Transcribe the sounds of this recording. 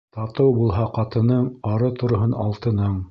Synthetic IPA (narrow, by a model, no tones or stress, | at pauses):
t̪ɑt̪ɤwbulˠɦɑqɑt̪ɤ̆nɤɴɑɾɤt̪ŏɾŏɦɤnɑ̰lˠt̪ɤ̆nɤɴ